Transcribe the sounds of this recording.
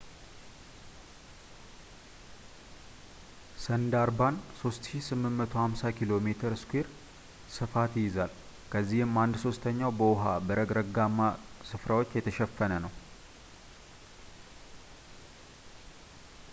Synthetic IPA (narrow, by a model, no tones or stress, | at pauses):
sənd̪aɾbanso̞st̪ʃisɨmːɨnmːət̪ʰohamsakʰilo̞me̞t̪ʰəɾɨskʷeɾ | sɨfat̪ɪjɪzal | kʰəzːihɨmːand̪so̞st̪ʰəɲːawbəwʊɦabəɾəɡɾəɡamːasɨfɾawo̞t͡ʃːjɛt̪ʰəʃɛfːənənəw